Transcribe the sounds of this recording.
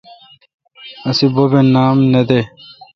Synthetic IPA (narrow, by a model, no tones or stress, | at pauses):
ɐsibobenaːmned̪e